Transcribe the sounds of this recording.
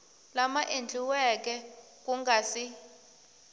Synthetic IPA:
lamaʔend͡ɮʱʼiwɛk̬ʼɛ | kʼuŋɡʱasi

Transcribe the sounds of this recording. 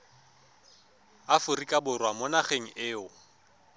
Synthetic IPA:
afʊrikʼabʊrwamʊnaχeŋ̩ʔɪːʊ

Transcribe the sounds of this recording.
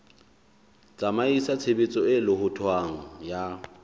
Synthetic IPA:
t͡sʼamaisat͡sʰebet͡sʼɔɪlɪhʊtʰwaŋ̩ja

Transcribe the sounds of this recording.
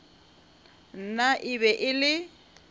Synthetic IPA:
n̩naʔɪβɛʔɪlɪ

